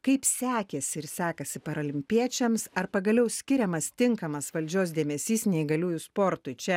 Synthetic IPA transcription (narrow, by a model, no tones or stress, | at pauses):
kɐɪpsʲæːkʲɛsʲɪɪɾsʲæːkɐsʲɪpɐɾɐlʲɪmʲpʲiɛt͡ʃʲɛmsɐɾpɐɡɐlʲɛʊsʲkʲɪɾʲɛmɐst̪ʲɪŋkɐmɐsʋɐlʲd͡ʒʲoːsd̪ʲeːmʲɛsʲiːsnʲɛɪɡɐlʲuːjuspoːɾt̪ʊɪt͡ʃʲɛ